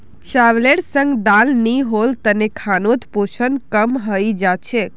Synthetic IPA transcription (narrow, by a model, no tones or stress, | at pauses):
t͡ʃaʋleʈsə̃ŋɡd̪alniɦolt̪ənekʰanot̪poʃənkəmɦəjd͡ʒat͡ʃʰe